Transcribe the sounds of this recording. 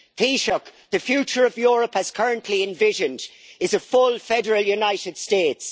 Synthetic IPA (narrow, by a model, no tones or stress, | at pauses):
pʰiʃəkðəfjʉːˑt͡ʃəɹəvjɔːɹəpəz̥kʰɜɹə̃nʔʰliɪ̃ɱvɪʒə̃nd | ɪzəfʊlfɛdəɹəlˠjunaɪɾɪd̥steːts